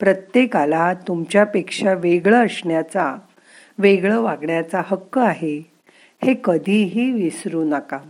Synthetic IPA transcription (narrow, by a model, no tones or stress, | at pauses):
pɾət̪jekalat̪umt͡ɕjapekʂaʋeɡɭəəsɳjat͡sa | ʋeɡɭəʋaɡɳjat͡sahəkːəaɦe | hekəd̪ʱiːɦiːʋisɾuːnaka